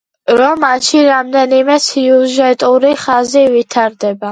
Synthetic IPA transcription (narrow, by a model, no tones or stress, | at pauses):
ɾɔmːanʃiɾamd̪ɛnimɛsʰiuʒɛt̪ʼuɾiχazivit̪ʰaɾd̪ɛba